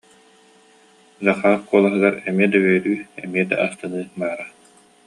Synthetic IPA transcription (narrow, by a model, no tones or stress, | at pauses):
zaχaːkuɔlˠaɦɯɡaɾɛmiɛd̪awɛɾyːɛ̰miɛd̪a̰ʔast̪ɯnɯːbaːɾa